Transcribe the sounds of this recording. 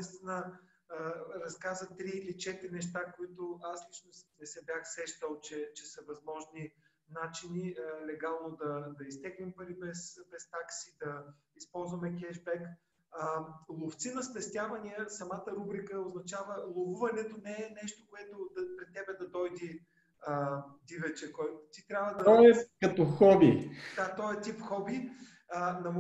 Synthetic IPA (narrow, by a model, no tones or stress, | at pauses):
ist̪vʲinə | ɾɐskazət̪ɾiːlit͡ʃɛt̪ɾinɛʃt̪akoit̪oaslit͡ʃnosnɛsɛbjaxsɛʃt̪əlˠt͡ʃɛt͡ʃɛsɐvɐzmɔʒni | nat͡ʃiniəlɛɡalˠnod̪ɐd̪ɐist̪ɛɡlimpɐɾibɛsbɛst̪aksid̪ɐ | ispɔlˠzvɐmɛkʲɛʒbɛk | əlˠoft̪sinɐspɛst̪ʲjavɐniɛsɐmat̪əɾubɾikəoznɐt͡ʃavəlˠovuvɐnɛt̪onɛɛnɛʃt̪okoɛt̪od̪ɐpɾɛt̪ːɛbɛd̪ɐd̪ɔjd̪i | əd̪ivɛt͡ʃɛkɔjt̪it̪ɾʲjabvəd̪ɐɛkɐt̪ɔxɔbid̪at̪ɔɛt̪ipxɔbi | ənɐm